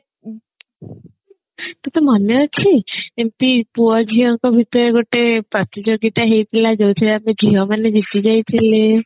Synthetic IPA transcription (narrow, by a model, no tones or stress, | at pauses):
t̪ut̪ɔmɔnet͡ʃʰiempipuɔd͡ʒʱiɔŋkɔbʱit̪ɔɾeɡoʈepɾɔt̪id͡ʒoɡit̪aɦejp̪ʰilad͡ʒowt̪ʰilamed͡ʒʱiɔmaned͡ʒit̪id͡ʒajt̪ʰile